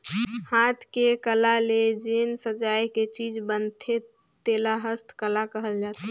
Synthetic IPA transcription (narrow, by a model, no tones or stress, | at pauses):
hat̪ʰkekəlaled͡ʒensəd͡ʒajket͡ʃid͡ʒbənt̪ʰe | t̪elaɦəst̪ʰkəlakəɦəld͡ʒat̪i